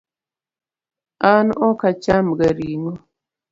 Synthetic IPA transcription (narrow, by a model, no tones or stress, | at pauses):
anɔkat͡ʃamɡaɾiŋɔ